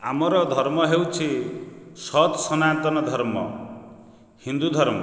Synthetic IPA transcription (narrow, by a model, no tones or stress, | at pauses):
amɔɾɔd̪ʱɔɾmɔɦewt͡ʃʰi | sɔt̪sɔnat̪ɔnɔd̪ʱɔɾmɔ̰ | hind̪ud̪ʱɔɾmɔ